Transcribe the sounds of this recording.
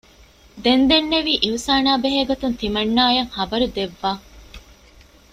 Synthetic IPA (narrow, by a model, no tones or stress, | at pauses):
d̪end̪enːeʋiːʔiɦusaːnaːbeɦeɡɐt̪unt̪imɐnːaːjɐŋhɐbɐɾud̪eʋːaː